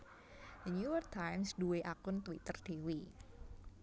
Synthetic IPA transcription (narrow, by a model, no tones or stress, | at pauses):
d̪ənjujɔrk̚t̪ʰajmsduweʔakʊnt̪wit̪ərd̪̥ewi